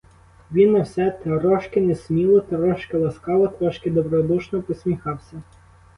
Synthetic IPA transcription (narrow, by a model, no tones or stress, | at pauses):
ʋʲinːɐwsɛt̪ɐɾɔʃkɪnesmʲilˠɔt̪ɐɾɔʃkɪlˠɐskɑlˠɔt̪ɾɔʃkɪd̪ɔbɾɔd̪uʃnɔpɔsʲmʲixɑwsʲɐ